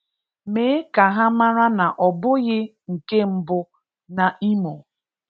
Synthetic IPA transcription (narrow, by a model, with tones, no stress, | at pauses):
meː˨˦ka˨ɦa˦ma˦ɾa˦na˨ʔɔ˨bʊ˦ɣɪ˦ | ŋ̩˨ke˦m̩˦bʊ˦ | na˨ʔi˦mo˨